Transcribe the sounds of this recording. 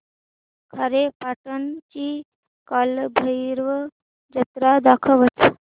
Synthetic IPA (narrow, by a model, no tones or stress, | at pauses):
kʰaɾepaʈənt͡ʃi | kalbʱəjɾʋə | d͡ʒət̪ɾad̪akʰəʋət͡s